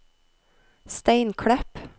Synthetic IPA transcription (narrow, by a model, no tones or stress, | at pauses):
st̪æɪnkʰɽɛp